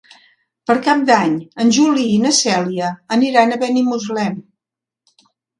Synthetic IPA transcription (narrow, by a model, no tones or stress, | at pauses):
pəɾkap̚d̪aɲənʲʒuliːnəsɛliəːniɾanəβənimuzlɛm